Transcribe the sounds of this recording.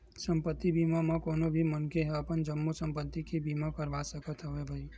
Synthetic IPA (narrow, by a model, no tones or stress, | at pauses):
səmpət̪ːibimamãkonobʱimənkeɦapənd͡ʒəmːusə̃mpət̪ːikʰibimãkəɾʋasəkət̪ɦəʋebʱəi